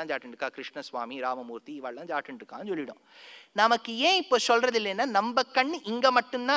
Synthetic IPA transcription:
ãːd͡ʒaːʈːɪɳʈɾɯkːãːkɾɪʂɳɐsʋaːmiɾaːmɐmuːɾt̪iɪʋaːɭlãːd͡ʒaːʈːɪɳʈɾɯkːã̰ːnsɔlːɪɽʊ̰̃ː | nɐmɐkːɯẽːɪpːoːsɔlɾɐðɪlːɐnːaːnɐmbɐkːɐɳːɯʔɪŋɡɐːmɐʈːɯnt̪ãː

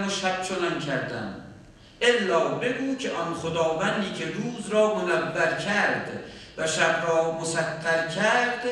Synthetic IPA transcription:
loʃæb̥̚t͡ʃʰonænkʰæɾd̪æ̰m | ʔelːɒːbe̞ɡuːcʲʰeʔɒnχod̪ɒːvænd̪iːcʲʰeɾuːzɾɒːmonæbːæɾcʰæɾd̪ | væʃæbɾɒːmosæqːæɾkʲʰæɾd̪̥

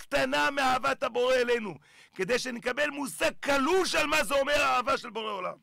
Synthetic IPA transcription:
kt̪anameaavat̪habo̞ʁeːlejnu | ke̞d̪ejʃenekabe̞lmusaɡ̚kaluʃalmazeo̞meʁaːvaʃelbo̞ʁeo̞la̰m

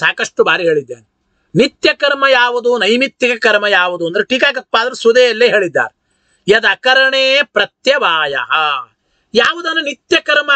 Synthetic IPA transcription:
saːkɐʂʈubaːɾiɦeːɭid̪ːa̰ːɾe | nit̪jɐkɐɾmɐjaːʋud̪unɐjmit̪jɐkɐkɐɾmɐjaːʋud̪uɐnd̪ɐɾeʈiːkaːkɐt̪̚paːd̪ɐɾesud̪ɛjɐlːeːɦeːɭid̪ːa̰ːɾe | jɐd̪ɐkɐɾɐɳeːpɾɐt̪jɐʋaːjɐ̰ɦɐ | jaːʋud̪ɐnːɐnit̪jɐkɐɾmɐ

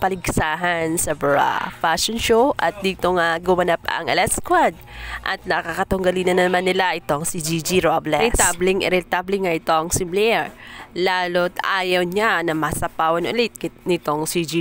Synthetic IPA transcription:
pɐlɪɡsaːɦɐnsɐbɹa̰faʃonʃowʔɐt̪̚d̪iːt̪oŋaɡʊmɐnapɐ̰ŋʔɐlɛskwad̪̚ʔɐt̪̚nɐkakɐt̪ʊŋɡɐliːnɐnɐnɐmanːɪlaʔɪt̪oŋsid͡ʒid͡ʒiɾoblɛɛt̪ablɪŋʔɛ̰ɾɛlt̪ablɪŋaʔɪt̪o̞ʔɐŋsɪmblɛɛɹlaːlot̪aːjɐwɲanɐmɐsɐpaːwɐnʔʊ̰lɪt̪̚knɪt̪o̞ŋsid͡ʒi

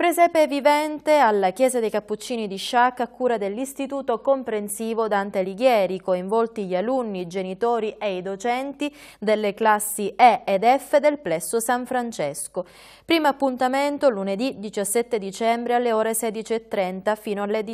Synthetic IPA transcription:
pɾezɛːpevivɛnt̪ealːakjɛːzad̪ejkapːut͡ʃːiːnid̪iʃːakːakːuːɾad̪elːist̪it̪uːt̪okompɾensiːvod̪ant̪eliɡjɛːɾikoiɱvɔlt̪iʎialunːid͡ʒenit̪oːɾiʔeid̪ot͡ʃɛnt̪i | d̪elːeklasːiɛed̪ɛfːed̪elplɛsːosaɱfɾant͡ʃɛsko | pɾiːmaapːunt̪ament̪oluned̪id̪it͡ʃasːɛt̪ːed̪it͡ʃɛmbɾealːeoːɾesɛːd̪it͡ʃiet̪ːɾɛnt̪afiːnoalːed̪

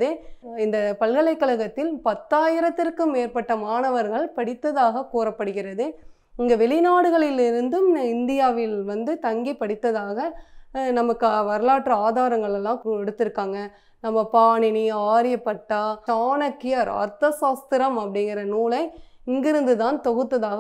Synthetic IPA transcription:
ðɯɪnd̪ɐpɐlɣɐɭɐɪkːɐɭɐɣɐt̪ːɪlpɐt̪ːaːjɪɾɐt̪ːɪrkɯmeːɾpɐʈːɐmaːɳɐʋɐɾɣɐɭpɐɽɪt̪ːɐðaːɣɐkuːrɐpːɐɽɯɣɪrɐðɯ | ɪŋɡɐʋɛɭɪnaːɽɯɣɐɭɪlɪɾɯnd̪ɯmɪnd̪ɪjaːʋɪlʋɐnd̪ɯt̪ɐŋɡipːɐɽɪt̪ːɐðaːɣɐnɐmɐkːɯʋɐɾɯlaːʈrɐaːðaːɾɐŋɡɐɭɛlːãːɛɽɯt̪ːɪɾɯkːaːŋɡɐ | nɐmːɐpaːɳɪniaːɾɪjɐpːɐʈːaːt͡ʃaːnɐkːɪjɐɾɐ̰ɾt̪ɐsaːst̪ɪɾɐmɐpːɐɽɪŋɡɪɾɐnuːlɐɪ | ɪŋɡɪɾɯnd̪ɯt̪aːnt̪ɔɣɯt̪ːɐðaːɣɐ

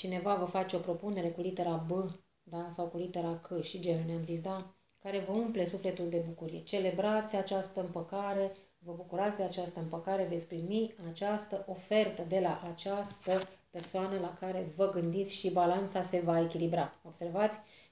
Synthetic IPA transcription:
t͡ʃine̞vavəfat͡ʃeo̞pɾo̞pune̞ɾe̞kulit̪e̞ɾabɨ | d̪asawkulit̪eɾakʰɨʃid͡ʒeluneamzits̬ʲd̪a | kaɾe̞vəumple̞sufle̞t̪uld̪e̞bukuɾije̞t͡ʃe̞le̞bɾat̪sʲat͡ʃast̪əɨmpəkaɾe̞ | vəbukuɾat̪sʲd̪e̞at͡ʃast̪əɨmpəkaɾe̞ve̞t̪sʲpɾimiat͡ʃast̪əʔo̞fe̞rt̪əd̪e̞laʔat͡ʃast̪əpe̞rsoanəlakaɾe̞vəɡɨnd̪it̪sʲʃibalant̪sase̞vae̞kʲilibɾao̞bse̞rvat̪sʲ

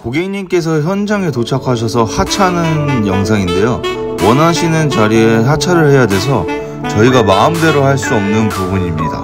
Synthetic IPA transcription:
koɡeŋɲimk͈e̞s̬ʰʌçjʌnd͡ʑaŋe̞tot͡ɕʰakʰaɕ̬ʰʌsʰʌhat͡ɕʰanɯnjʌŋs̬ʰaŋinde̞jo | wʌnɦaɕʰinɯnt͡ɕaɾiesat͡ɕʰaɾɯɭhe̞jadwe̞s̬ʰʌ | t͡ɕʌiɡamaɯmde̞ɾohaɭs͈uʌmnɯnpobuɲimɲida̰

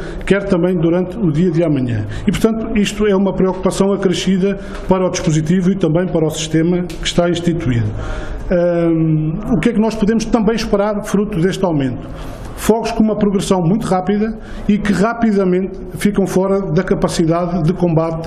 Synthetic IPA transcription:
kɛɾt̪ɐ̃mbɐ̃j̃d̪uɾɐ̃nt̪uðiɐðiamɐɲɐ̰̃ | ipuɾt̪ɐ̃nt̪u̥iʃt̪uɛumɐpɾiɔku̥pɐsɐ̃w̃ɐkɾɨʃiðɐ | pɐɾɔðiʃpuzit̪̬ivuit̪ɐ̃mbɐ̃j̃pɐɾɔsi̥ʃt̪emɐkɨ̥ʃt̪aĩʃt̪it̪wḭðuɛ | ukɛknɔʃpuðemʊʃt̪ɐ̃mbɐ̃j̃ʃpɨɾaɾfɾut̪uðeʃt̪awmẽnt̪u̥ | fɔɣuʃkõumɐpɾuɣɾɨsɐ̃w̃mũj̃t̪uʁapiðɐ | ikɨʁapiðɐmẽnt̪ | fikɐ̃w̃fɔɾɐðɐkɐpɐsiðaððɨkõmbat̪

